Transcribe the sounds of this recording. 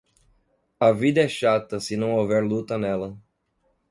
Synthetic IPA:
ɐvid̪ɐɛʃat̪ɐsɪnɐ̃w̃ovɛɾlut̪ɐnɛlɐ

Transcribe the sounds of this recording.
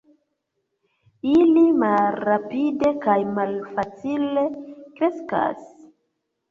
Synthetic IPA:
ilimaɾapide̞kajmalfat͡sile̞kɾe̞ska̰s

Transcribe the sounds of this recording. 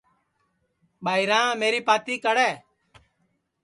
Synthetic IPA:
ɓaːɪɾãːmeːɾiːpaːt̪iːkəɽɛː

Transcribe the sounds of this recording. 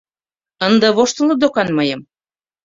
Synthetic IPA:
ənd̪ɤ̆βoʃt̪ə̆lɤd̪okɑnmɤjə̆m

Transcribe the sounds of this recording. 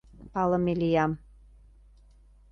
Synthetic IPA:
pɑlɤ̆melijɑm

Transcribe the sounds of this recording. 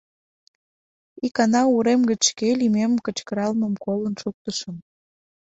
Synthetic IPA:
ikɑnɑuɾemɡət͡ɕʃkelimemkət͡ɕkəɾɑlməmkolənʃuk̚t̪əʃəm

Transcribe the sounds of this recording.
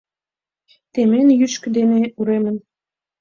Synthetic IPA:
t̪emenjyʃkɘ̆d̪eneuɾemə̆n

